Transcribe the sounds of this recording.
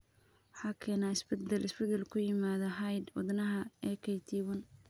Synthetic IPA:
ɑħɑːkʰɛːnaːɪsbɛd̪ɛlɪsbɛd̪ɛlkʰʊjɪmaːðɐɦɐjd̪wɑ̰d̪nɐɦɐɛːkʰɐjt̪ʰiːwʊn

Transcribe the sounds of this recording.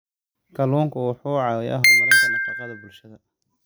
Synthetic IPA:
kʰɐluːŋkʰʊwɑħuːʕɑðɛjʔɐɦʊmɐɾɐk̪ʰɐnɐfɑqɑðɐbʊlʃɐðɐ

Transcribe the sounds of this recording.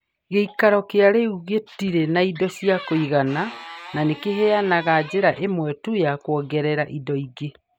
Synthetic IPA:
ɣeikaɾɔkeaɾeuɣetiɾenaidɔsiakoiɣanananekeɦɛanaɣad͡ʑeɾaʔemwɛtujakwɔɡɛɾɛɾaʔidɔiɡe

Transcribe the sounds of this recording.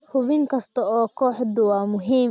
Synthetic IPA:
hʊβɪŋkʰɐst̪ʰɐɔːkʰɔːħd̪ʊwɑːmʊɦiːm

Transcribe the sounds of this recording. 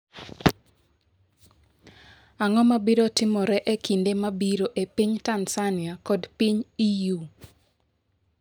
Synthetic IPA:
aŋɔmabiɾotɪmɔɾɛʔekindemabiɾoʔepiɲtansanjakɔdpiɲiju

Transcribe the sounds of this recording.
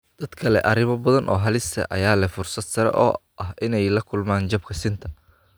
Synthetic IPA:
d̪̥ɐd̪kʰɐlɛʔɐɾɪmɐbɐðɐnʔɔ̰ːɦɐlɪst̪ʰɐ̰ʔɐ̰jaːlɐfʊrsɐd̪sɐɾɛ̰ʔɔ̰ːʔɐɦɪnɛjlɐkʰʊlmaːnt͡ʃɐb̚kʰɐsɪnt̪ʰɐ̥

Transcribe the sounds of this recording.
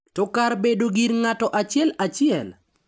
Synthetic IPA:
tɔkarbedoɡiɾŋatɔʔat͡ʃɪɛlat͡ʃɪɛ̰l

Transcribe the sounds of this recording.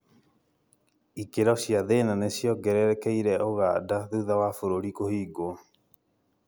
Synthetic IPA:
ikeɾɔsiaðenanesiɔɡɛɾɛɾɛkɛiɾɛoɣadaðuðawafoɾoɾikohiːɡo

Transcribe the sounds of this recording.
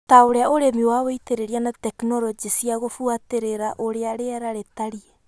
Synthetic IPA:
taoɾeaoɾemiwaweiteɾeɾianatɛkinɔɾɔd͡ʒisiaɣofuateɾeɾaʔoɾeaɾeaɾaɾetaɾiɛ

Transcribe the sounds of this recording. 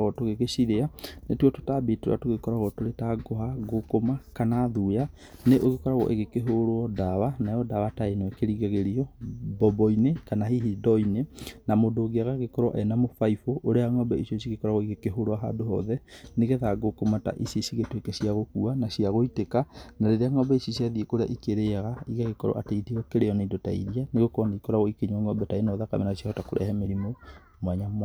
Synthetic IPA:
ɣɔtoɣeɣeʃiɾeanetwɔto̥tabetoɾa̰toɣekɔɾaɣɔtoɾetaɡoɦaɣokomakanaðua | neʔoɣekɔɾaɣɔ̰ʔḛɣekeɦoɾoɔdawanajɔdawataenoɛkeɾiɣeɣeɾiɔbɔbɔinekanahiɦidɔinenamodoɣeaɣaɣekɔɾɔ̰ʔɛnamofaifoʔːɾeaŋɔbɛisɔsiɣekɔɾaɣɔeɣekeɦoɾoaɦa̰doɦɔ̰ðɛneɣeðaɡokomata̰ʔisesiɣetwekesiaɣokuanasiaɣoitekanaɾeɾeaŋɔbaisosiaðiekoɾea̰ʔikeɾeaɣaiɣaɣekɔɾɔ̰ʔateiteɔkeɾejɔneindotaḭɾianeɣokɔnaikɔɾaɣɔikeɲwaŋɔbɛtaenɔðaka̰mɛnasiahɔtakoɾʔɛ̰hɛmeɾimo | mwaɲamwa

